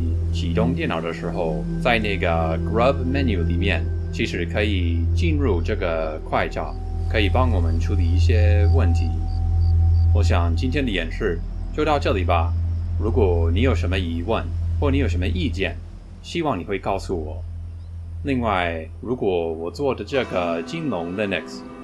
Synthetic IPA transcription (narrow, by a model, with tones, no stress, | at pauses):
t͡ɕʰi˨˩t̪ʊ˥ŋt̪jɛ˥˩nɑ˨˩ʊd̪ə˦ʂɻ̩˧˥xo˧ʊ | t͡sa˥˧ɪna˥˩ɡə˩ɡɹə˥˧bmɛ˥˧nju˨˩li˨˩mjɛ̰˥˩n | t͡ɕʰi˧˥ʂɻ̩˧˥kʰɤ˧˥i˨˩t͡ɕi˥˧nɻu˥˧ʈ͡ʂɤ˥˩ɡə˩ | kʰwa˥˧ɪʈ͡ʂɑ̰˨˩ʊ | kʰɤ˧˥i˨˩pɑ˥ŋwɔ˨˩mə˦nʈ͡ʂʰu˥li˨˧˩i˥˩ɕjɛ˥wə˥˩nt̪ʰi˧˥ | wɔ˧˥ɕ̬jɑ˨˩ŋt͡ɕi˥nt̪ʰjɛ˥nd̪ə˧jɛ˨˩nʂɻ̩˥˩ | t͡ɕjo˥˧ʊt̪ɑ˥˧ʊʈ͡ʂɤ˥˩li˨˩bɐ˦ɻu˧˥kwɔ˨˩ni˧˥jo˨˩ʊʂə˧˥nmə˧i˧˥wə˥˩nxwɔ˥˩ni˧˥jo˨˩ʂə˧˥mə˧ʔi˥˧t͡ɕjɛ˥˩n | ɕi˥wɑ˥˩ŋni˨˩xwe˥˧ɪkɑ˥˧ʊsu˥˩wɔ˨˩˦ | li˥˧ŋwa˥˩ɪ | ɻu˧˥kwɔ˨˩wɔ˨˩t͡swɔ˥˩də˩ʈ͡ʂɤ˥˩ɡə˩t͡ɕi˥nlʊ˧˥ŋlə˧nɛ˨˩ks